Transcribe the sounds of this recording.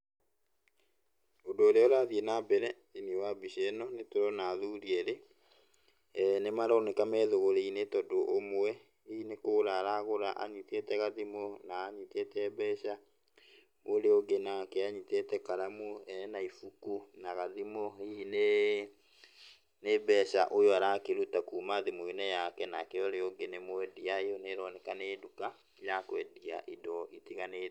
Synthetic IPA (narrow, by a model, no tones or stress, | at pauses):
ondoːɾeoɾaðienabɛɾɛ | iniewabiʃɛnɔnetoɾɔnaðuɾiɛɾe | nemaɾɔnɛkamɛðoɣoɾeinetɔdoʔomwɛ | iinekoɾaɾaɣoɾaʔa̰ɲitetɛɣaðimonaːɲitetɛːbɛɕa | oɾeoɡenakɛaɲitetɛkaɾamuɛnɛnaifukunaɣaðimoine | nebɛːʃaʔojɔaɾakeɾutakuːmaðimoinɛjakɛnakɛɔɾeoɡenemoɛdiaejɔneɾɔnɛkaneːduka | jakowɛdia̰ʔidɔʔitiɣane